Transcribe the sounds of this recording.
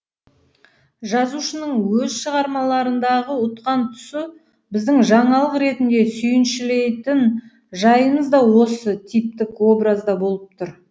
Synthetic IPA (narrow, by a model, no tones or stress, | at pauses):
ʒɑzuʃənəɴwɵzʃəʁɑɾmɑlˠɑɾənd̪ɑʁəʊt̪qɑnt̪ʰʏ̥sɪ | bɪzd̪ɪŋʒɑɴɑlˠəqɾe̞t̪ɪnd̪e̞sʏjɪnʃɪle̞jt̪ɪn | ʒɑjəɴəzd̪ɑwo̞sət̪ʰijp̚t̪ɪkwo̞bɾazd̪ɑbo̞lˠəp̚t̪ʰʊɾ